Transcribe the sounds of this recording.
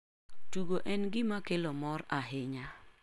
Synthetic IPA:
tuɡoʔɛnɡɪmakelɔmɔɾaɦɪɲa

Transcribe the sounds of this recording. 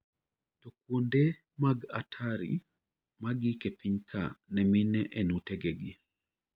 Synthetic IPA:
tɔk̚wonde | maɡatʰaɾḭ | maɡikepiɲkʰa̰nɛminɛʔenutɛɡeɡi

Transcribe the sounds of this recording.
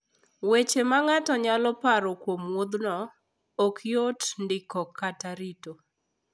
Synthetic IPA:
wet͡ʃemaŋatɔɲalɔpaɾokwomwod̪nɔ | okʰjotndɪkɔkataɾito

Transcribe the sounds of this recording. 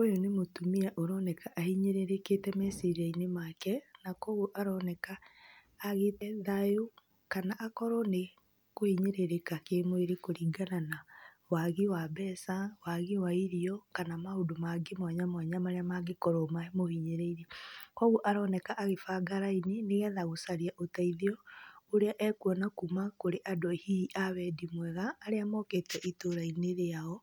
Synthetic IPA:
ojonemotumiaʔoɾɔnɛkaʔahiɲeɾeɾeketɛmɛsiiɾainemakɛnakɔɣuʔaɾɔnɛkaː | ɣetɛðajo | kanaʔakɔɾɔne | kohiɲeɾeɾekakemoeɾekoɾiːɡanana | waɣiwabɛːsawaɣiwaiɾiɔkanamahodomaɡemwaɲamwaɲamaɾeamaɡekɔɾɔmaemohiɲeɾeiɾiɔkwɔɣuʔaɾɔnɛkaʔːɣefaɡaɾaineneɣɛðaɣosaɾiaʔotaiðiɔoɾeaʔɛkuɔnakumakoɾeʔadɔhiiʔaβɛdimwɛɣaːɾeamɔketɛʔitoɾaineɾeaɔ

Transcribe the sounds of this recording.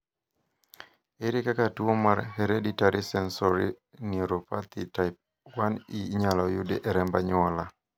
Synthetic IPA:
eɾikakatuomaɾɦeɾeditaɾisɛnsɔɾḭ | niɾopat̪itaɪp̚ | waniɲalɔjudeʔɛɾɛmbaɲɔla

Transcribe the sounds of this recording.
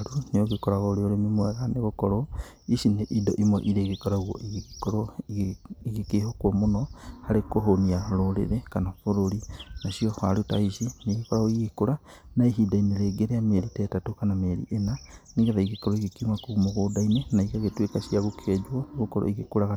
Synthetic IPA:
ɾuneoɣekoɾaɣoɾeoɾenimwɛɣaneɣokɔɾɔ | iʃineʔidoʔimwɛʔiɾeɣekɔɾaɣwoʔiɣkoɾɔ | iɣikehokwomonɔhaɾekoɦoniaɾoɾḛɾekanafoɾoɾinaʃiohaɾutaiʃineɣikaaɣoiɣikoɾa | naiɦidaineɾeɡeɾeameɾitɛtatokanameɾḭʔenaneɣeðaiɣikoɾɔiɣikimakumoɣodainenaikaɣetwekaʃiaɣokʰed͡ʒwɔeɣokɔɾɔ̰iɣekuɾaɣa

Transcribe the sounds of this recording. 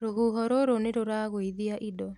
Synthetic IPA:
ɾoɦuːɦɔɾoɾoneɾoɾaɣoiðiaʔidɔ

